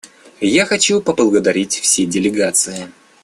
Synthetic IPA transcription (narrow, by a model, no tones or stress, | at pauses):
jaxɐt͡ɕupəblˠəɡəd̪ɐɾʲitʲfsʲedʲɪlʲɪɡat̪sɨɪ